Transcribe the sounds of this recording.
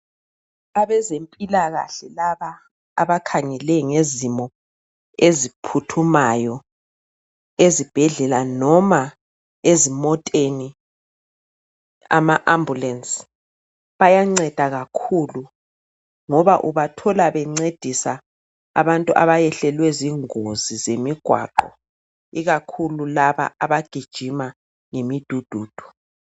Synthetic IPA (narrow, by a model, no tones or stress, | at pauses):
aβɛzempʼilaɣa̰ɬɛlaβaː | βakʰaŋɛlɛŋezimɔ | ezipʰutʰumajɔ | ezib̥ʱɛɮɛlanɔma | ezimɔtʼeni | a̰maʔambulɛns | βajaŋ͡ǀɛd̥ʱaɣakʰulu | ŋɔβaʔuβatʰɔlaβɛŋ͡ǀed̥ʱisa̰ː | βantʼuʔa̰βajɛɬɛlwɛziŋozizemiɡ̥ʱwa̰ǃɔ̰ | iɣakʰululaβa̰aβaɡ̥ʱid̥ʒ̥ʱima | ŋemid̥ʱud̥ʱuːd̥ʱu̥